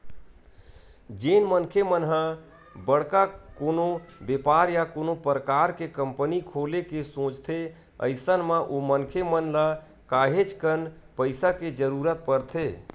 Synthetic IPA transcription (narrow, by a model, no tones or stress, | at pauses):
d͡ʒenmənkʰemənɦə̃ | bəɽkakonobepaɾjakonopɾəkaɾkekəmpənikʰolekesõt͡ʃt̪ʰe | ə̰ɪsənmẽʔomənkʰemənla | kaɦet͡ʃkənpəɪsaked͡ʒəɾuɾət̪̚pəɾt̪ʰe